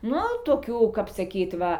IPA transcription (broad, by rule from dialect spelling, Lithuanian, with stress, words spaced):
ˈnʊ toːˈkʲuː kɐp sɐˈkʲiːt ˈʋɐ